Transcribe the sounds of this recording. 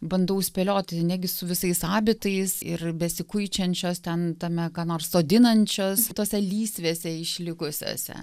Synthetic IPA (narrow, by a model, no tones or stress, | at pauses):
bɐnd̪ɐʊsʲpʲɛlʲoːt̪ʲnʲæɡʲɪsʊʋʲɪsɐɪsɑːbʲɪt̪ɐɪsɪrbʲɛsʲɪkʊɪt͡ʃʲɛnʲt͡ʃʲoːst̪ʲɛnt̪ɐmʲɛkɑnoːrssoːd̪ʲɪnɐnʲt͡ʃʲoːst̪oːsʲɛlʲiːsʲʋʲeːsʲɛɪʃʲlʲɪkʊsʲo̰ːsʲɛ̰